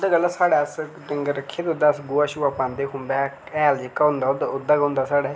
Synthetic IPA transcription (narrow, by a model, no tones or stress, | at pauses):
d̪aːɡəlːaːsaːɽaːəsɖəŋɡəɾəkʰːeːd̪eʊd̪aːəsɡoːaːʃuːaːpãːnd̪eːɦʊnb̪ɛː | ɛːld͡ʒekːaʊ̃nd̪aːʊd̪aʊd̪aːɡʊ̃nd̪aːsaːɽaː